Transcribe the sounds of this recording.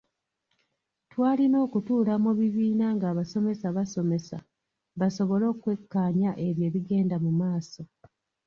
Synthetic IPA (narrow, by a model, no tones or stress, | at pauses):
twaːlino̞ːkutuːlamuβiβiːnaŋɡaːβaso̞me̞saβaso̞me̞sa | βaso̞βo̞lo̞ːkwe̞kːaːɲaʔe̞βje̞ːβiɡe̞ːndamumaːso̞